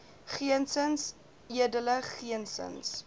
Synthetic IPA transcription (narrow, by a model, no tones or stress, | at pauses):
χiənsəns | iədələχiənsə̰ns